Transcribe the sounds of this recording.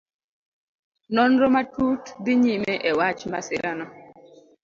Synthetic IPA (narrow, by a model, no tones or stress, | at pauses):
nɔnɾɔmatutbiɲimeʔewat͡ʃma̰sɪɾʔanɔ